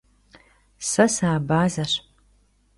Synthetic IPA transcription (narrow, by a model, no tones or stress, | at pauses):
sɐsaːbaːzɐʂ